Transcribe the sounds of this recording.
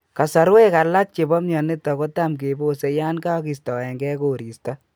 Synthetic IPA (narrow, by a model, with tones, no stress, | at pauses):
ka˨sa˨ɾwe˦ka˨la˦k̚t͡ʃe˨bɔ˦mɲɔ˨ne˦tːɔ˨ko˦tamk̬e˨bo˦se˨ja˦nka˦ki˨stɔ˨ɛ˨ŋɡɛ˦ko˨ɾi˨stɔ